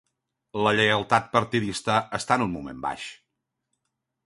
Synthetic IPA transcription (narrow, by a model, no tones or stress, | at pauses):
ləʎəjəlˠt̪at̪̚pəɾt̪iðist̪əəst̪aənunmumḛmba̰ʃ